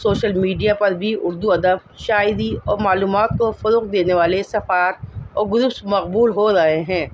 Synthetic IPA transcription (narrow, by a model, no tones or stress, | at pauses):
soːʃəlmiːɖijapɐɾbʱiʊɾd̪uɐd̪əb | ʃaːɪd̪iɔːɾmaːluːmaːt̪̚kofɐɾʊːq̚d̪eːneʋaːlesɐfaːɾɔːɾɡʊɾʊpsmɐqbuːlɦoɾɐɦeɦɛ̃ː